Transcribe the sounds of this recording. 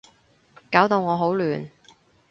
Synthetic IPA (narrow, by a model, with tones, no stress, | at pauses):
kaː˨˥wt̪o˨˧wŋɔː˨˧ɦo˨˥wlyː˨˩n